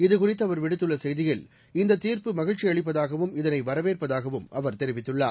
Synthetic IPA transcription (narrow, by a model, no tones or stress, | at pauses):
ɪðɯkʊrɪt̪ːɐʋɐɾʋɪɽɯt̪ːɯɭːɐsɛjðɪɣɐɭ | ɪnd̪ɐt̪ːiːɾpɯmɐɣɪɻt͡ʃːiɐɭɪp̬ːɐðaːɣɐʋɯmɪðɐnɐɪʋɐɾɐʋeːrpɐðaːɣɐʋɯmɐʋɐɾt̪ɛɾɪʋɪt̪ːɯɭːa̰ː